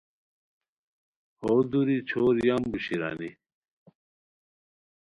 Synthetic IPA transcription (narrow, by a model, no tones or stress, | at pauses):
hod̪uɾit͡ɕʰoːɾjambuɕiɾa̰ni